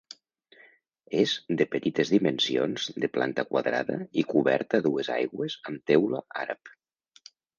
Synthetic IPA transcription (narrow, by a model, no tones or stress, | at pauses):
ezd̪əpət̪it̪ezðimənsionzd̪əpla̰nt̪əkwaðɾa̰ðə̰ikuβɛ̰ɾt̪əːðueza̰jɣwezəmt̪ɛwlə̰ʔaɾəp